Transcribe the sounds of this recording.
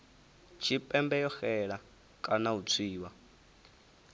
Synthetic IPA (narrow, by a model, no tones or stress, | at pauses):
t͡ʃʰipʼɛmbɛjɔxɛɺa | kʼanaut͡sʰiːwa